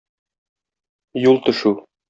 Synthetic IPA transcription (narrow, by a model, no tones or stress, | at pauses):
julˠt̪ɵ̆ʃu